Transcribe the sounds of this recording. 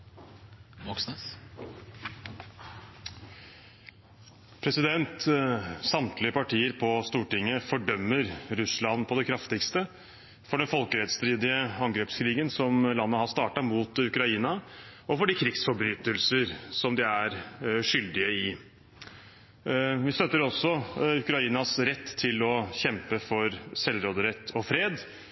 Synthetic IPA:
pʰɾɛsɪd̪ɛnt̪sɑmt̪lɪəpɑʈiːəɾpʰɔst̪uːʈɪŋːəfɔɖœmːəɾɾʉslɑnpʰɔd̪ɛkʰɾɑft̪ɪkst̪ə | fɔɖɛnfɔlkəɾɛt̪st̪ɾiːd̪ɪəɑŋɡɾeːpskʰɾiːɡənsɔmlɑnːəhɑst̪ɑːʈɑmuːt̪ʉkɾɑiːnɑ | ɔfɔɖɪkʰɾɪɡsfɔɾbɾyːt̪əlsəɾsɔmd̪ɪæɾʂʏld̪ɪəɪ | ʋɪst̪œt̪ːəɾɔsːɔʉkɾɑiːnɑsɾɛt̪ʰːɪlɔɕɛmpəfɔɾsɛlɾoːd̪əɾɛt̪ʰːɔfɾeːd̪

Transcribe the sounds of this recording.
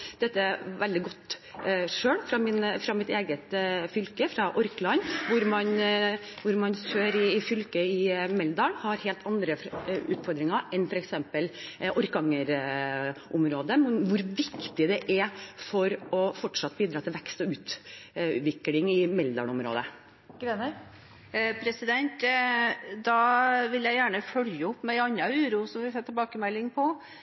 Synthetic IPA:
d̪̥ɛt̪ːəæʋɛld̪ɪɡɔt̪ːʂøːɭfɾɑmɪnfɾɑmɪt̪eːɡət̪fʏlkəfɾɑʔɔɾklɑɲʋʊɾmɑnʋʊɾmɑnsøːɾɪɪfʏlkəɪmɛld̪ɑːlhɑɾheːlt̪ʰɑnd̪ɾəʉːt̪fɔɾd̪ɾɪŋəɾʔɛnfɔɾɛksɛmpəlʔɔɾkɑŋəɾ | ʔʊmɾoːd̪əmɛnʋʊɾʋɪkt̪ɪd̪ɛʔɛfɔɾɔfɔʈʂɑt̪ːbiːd̪ɾɑːt̪ʰɪlʋɛkst̪ɔʉːt̪ | ʋɪklɪŋɪmɛld̪ɑ̰ɭʊmɾo̰ːd̪ə | ɡ̥ɾeːnə | pʰɾɛsɪd̪ɛnt̪ | d̪ɑʋɪljæɪjæːɳəfœljəɔpːmɛɑɲːɑʉːɾuːsɔmʋɪsɛt̪ʰːɛbɑːkəmɛlːɪŋpʰɔ

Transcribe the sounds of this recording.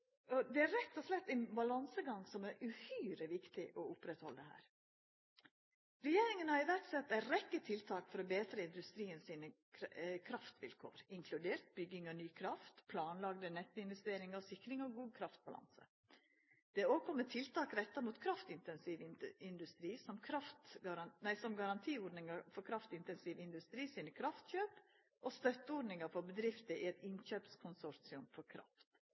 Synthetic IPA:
ɔd̪ɛæɾɛt̪ːɔslɛt̪ːɛnbɑlɑnsəɡɑŋsɔmæɾʉhyːɾəʋɪkt̪ɪʔɔʊpɾɛt̪hɔld̪ɛɦæ̰ːɾ | ɾɛjeːɾɪŋənɑɪʋæʈsɛt̪ːæɾɛkːət̪ʰɪlt̪ʰɑːkfɔɾɔbeːt̪ɾəɪnd̪ʉst̪ɾiːənsiːnə | kʰɾɑft̪ʋɪ̰lkʰo̰ːɾɪŋkʰlʉd̪eːɾt̪̚bʏɡɪŋɔnyːkʰɾɑft̪pʰlɑːnlɑɡd̪ənɛt̪ːɪnʋɛst̪eːɾɪŋɑʋsɪkːɾɪŋɔɡuːd̪̚kʰɾɑft̪̚bɑlɑ̰nsə̰ | d̪̥ɛoːkʰɔmət̪ʰɪlt̪ʰɑːkɾɛt̪ːɑmuːt̪kʰɾɑft̪ɪnt̪ɛnsiʋɪɪnd̪ʉst̪ɾiːsɔmkʰɾɑft̪ɡɑɾɑnæɪsɔmɡɑɾɑnt̪ʰiːɔɖnɪŋɑfɔɾkʰɾɑft̪ɪnt̪ɛnsiʋɪnd̪ʉst̪ɾiːsinəkʰɾɑft̪çøːp | ʔɔst̪œt̪ːəɔːɖnɪŋəɾfɔbəd̪ɾɪft̪əʔɪɛt̪ɪnçøːpskʰʊnsɔɾsɪʊmfɔɾkʰɾɑ̰ft̪

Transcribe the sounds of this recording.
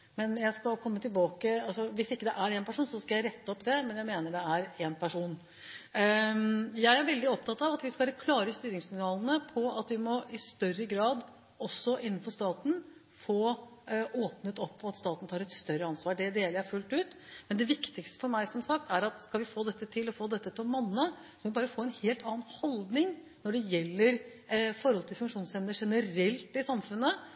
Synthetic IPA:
mɛnjæɪskɑlkʰɔmːət̪ɪlbɑːkəɑlsɔʋɪsɪkːəd̪ɛʔæɾeːnpæʂuːnsɔskɑjæɪɾɛt̪ːəɔpːd̪ɛmɛnjæɪmeːnəɖɛæɾeːnpʰæʂuːn | jæɪæɾʋɛld̪ɪɔp̚t̪ʰɑt̪ːɑʋɑt̪ʋɪskɑɾkʰlɑːɾəst̪yːɾɪŋssɪŋnɑːlˠnəpʰɔɑt̪ʋɪmɔɪst̪œrəɡɾɑːd̪ | ɔsːɔʔɪnːnfɔʂt̪ɑːt̪n | foː | oːpnət̪ɔpːɔɑt̪st̪ɑːt̪n̩t̪ʰɑːɾɛt̪st̪œɾəɑnsʋɑːɖɛd̪eːləɾæfʉlt̪ʉːt̪mɛnd̪ɛʋɪkt̪ɪkst̪ə̥fɔɾmæɪsɔmsɑk̚t̪æɾɑt̪skɑlʋɪfoːd̪ɛt̪ːət̪ʰɪlɔfoːd̪ɛt̪ːət̪ʰɪlmɑnːɑ | sɔmʋɪbɑːɾəfoːɛnheːlt̪ɑːənhɔld̪nɪŋ | nɔɖɛjɛlːəɾ | fɔɾhɔlt̪ʰɪlfʉŋkʂuːnsɛmnəʂɛnəɾɛlt̪ɪsɑmfʉnːə

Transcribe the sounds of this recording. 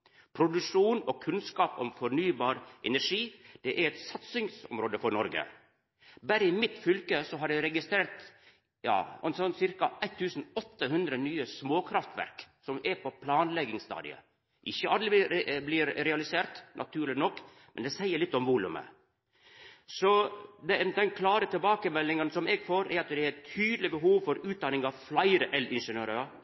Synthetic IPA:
pʰɾʊd̪ʉʂuːnɔkʰʉnskɑːpɔmfɔɾnyːbɑːɾʔɛnæʂiːd̪̥ɛʔæɾɛt̪sɑt̪sɪŋsɔ̰mɾoːd̪əfɔɾnɔɾɡə̰ | bæɾəɪmɪt̪fʏlkəsɔɦɑɾjæɪɾɛɡɪst̪ɾeːɾt̪ | jɑ̰ːɛnsɔnsɪɾkɑʔæɪt̪ʰːʉːsnɔt̪ːəɦʉnd̪ɾənyːəsmoːkʰɾɑft̪ʋæ̰ɾksɔmɛɾpʰɔpʰlɑːnlɛɡɪŋst̪ɑ̰ːd̪ɪ̰ə̰ | ʔɪçːəʔɑld̪ɾɪblɪɾɾɛɑlɪseːɾt̪nʔɑ̰t̪ʰʉːɾlɪnɔkː | mɛnd̪ɛsæɪəɭɪt̪ːɔmʋuːlʉ̰mə̰ | sɔd̪ɛd̪ɛnkʰlɑːɾət̪ʰɪlbɑːkəmɛlːɪŋənsɔmɛɡfoːɾɛɾɑt̪d̪ɛɛt̪ʰyːd̪lɪbəɦuːʋfɔɾʉːt̪̚d̪ɑnɪŋɑʋflæɪɾəʔɛlɪnʂənøːɾəɑ

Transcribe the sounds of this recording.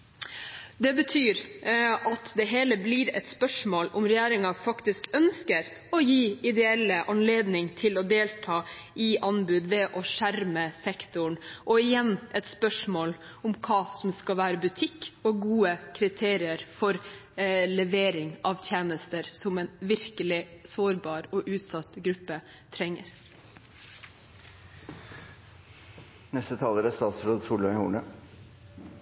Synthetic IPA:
d̪ɛbət̪ʰyːɾɑt̪d̪ɛɦeːləbliːɾɛ̰t̪spœʂmoːlʊmɾɛjæːɾɪŋɑfɑkt̪ɪskœnskəɾ | ɔjiːɪd̪ɛɛlːəʔɑnleːd̪nɪŋt̪ʰɪlɔd̪eːlt̪ʰɑːʔɪʔɑnbʉːd̪ʋɛʔɔʂæɾməsɛkt̪ʊɳʔɔɪjɛnːʔɛt̪spœʂmoːl | ʊmkʰɑːsɔmskɑʋæːɾəbʉt̪ʰɪkːɔɡuːəkʰɾɪt̪ʰeːɾɪəɾfɔɾ | lɛʋeːɾɪŋʔɑʋt̪ʰjeːnəst̪əɾsɔmɛnʋɪɾkəlɪsoːɾbɑːɾɔʔʉːt̪sɑt̪ɡɾʉpːə | t̪ʰɾɛŋːə̰ɾ | nɛst̪ət̪ʰɑːləɾæst̪ɑːt̪sɾoːd̪suːləmɪhṵːɳə

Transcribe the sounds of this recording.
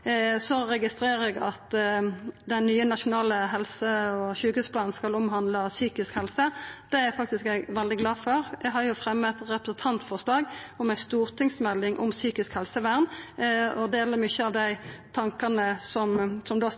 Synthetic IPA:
sɔɾɛɡɪst̪ɾeːʁɛɡɑt̪ | d̪ɛnːyːənɑʃʊnɑːləɦɛlsəɔçʉːkʉsplɑːnnskɑlɔmɦɑnd̪ləsyːkɪskhɛlsəd̪̥ɛæfɑk̚t̪ɪskæɡʋɛld̪ɪɡlɑːfɔɾjɛɡɦɑʁjʊfɾɛmːət̪ʁɛpɾəsənt̪ʰɑnt̪fɔʁʂlɑːɡɔmæɪst̪uːʁt̪ʰɪŋsmɛlːɪŋʔɔ̰msyːkɪskhɛlsəʋæʁn | ɔd̪eːləʁmʏçəɑʋd̪æɪt̪ʰɑŋkɑnəsɔmsɔmd̪ɑ

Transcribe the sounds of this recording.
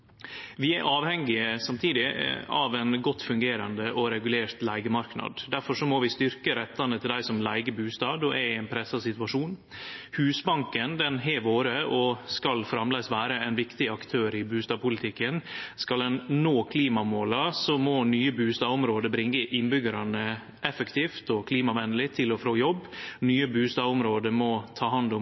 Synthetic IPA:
ʋɪɛʔɑːʋhɛŋːɪəsɑmt̪ʰiːd̪ɪɑʋɛnɡɔt̪ːfʉŋɡeːɾɑnd̪əʔɔɾɛɡʉleːɾt̪læɪɡəmɑɾknɑ̰d̪d̪æɾfɔʂɔmɔʋɪst̪ʏɾkəɾɛt̪ːɑnət̪ʰɪld̪æɪsɔmlæɪɡəbʉːst̪ɑːd̪ɔʔɛɛɪnpʰɾɛsːɑsɪt̪ʉʋɑʂuːnhʉːsbɑŋkənd̪ɛnɦɛʋoːɾəʔɔskɑlfɾɑmlɛɪsʋæːɾəæɪnʋɪkt̪ɪɑkt̪ʰøːɾɪbʉːst̪ɑːpʰʊlɪt̪ʰɪkːənskɑld̪ɛnnoːkʰliːmɑmoːlɑsɔmɔnyːəbʉːst̪ɑːʊmɾoːd̪əbɾɪŋːəʔɪnbʏɡəɾɑnə | ʔɛfəkt̪ʰiːft̪ɔkʰliːmɑʋɛnːəlɪt̪ʰɪlɔfɾoːjɔbːnyːəbʉːst̪ɑːʊmɾoːd̪əmɔt̪ʰɑːɦɑnd̪ʊm

